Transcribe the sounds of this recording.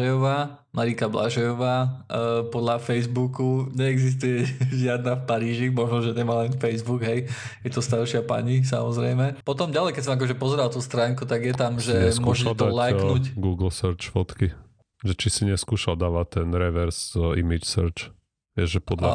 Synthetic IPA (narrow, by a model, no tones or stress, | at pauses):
ɛjɔʋaː | maɾikabla̰ʒɛjɔʋaːpɔd̪lafɛjzbukuɲɛːɡzis̬t̪ujɛʒɪad̪nafpaɾiːʒimɔʒnɔʒɛɲɛmaːlɛnfɛjzbuɡɦɛj | jɛt̪ɔst̪aɾʃɪapa̰ɲis̬a̰mɔzɾɛjmɛpɔt̪ɔmɟalɛjkɛcsɔmak̬ɔʒɛpɔzɛɾalˠt̪uːst̪ɾaːŋkut̪aɡjɛt̪amʒɛɛmɔʒɛt̪ɔlajknucɡuːɡl̩səɾt͡ʃfɔt̪ki | ʒɛt͡ʃisiɲɛskuːʃald̪aːʋat̪ːɛnɾɛʋɛɾsimit͡ʃsəɾt͡ʃ | ʋɪɛʒʒɛpɔd̪la̰